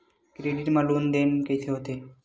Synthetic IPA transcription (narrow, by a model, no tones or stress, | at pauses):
kɾeɖiʈmalund̪enkejt̪ʰeɦot̪e